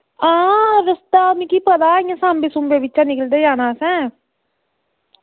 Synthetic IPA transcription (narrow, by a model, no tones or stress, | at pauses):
ãːɾəst̪aːmĩkiːpəd̪aːɪjãːsãːmbeːsʊmbeːʋɪtːʃãːnɪkəld̪eːd͡ʒaːnaːsɛ̃ː